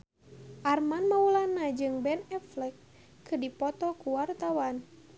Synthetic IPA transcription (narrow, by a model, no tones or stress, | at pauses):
ʔarmanmaulanad͡ʒɨŋbɛnɛflɛkː | ɨdipɔt̪ɔkuwart̪awan